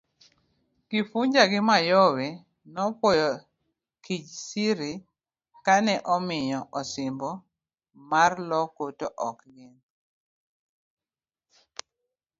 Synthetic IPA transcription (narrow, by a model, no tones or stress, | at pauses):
kifuɲd͡ʒaɡɪmajɔwe | nɔpwɔjɔ | kit͡ʃsiɾi | kanɛʔɔmɪɲɔʔɔsɪmbɔ | marlɔkotoʔɔkɡɪn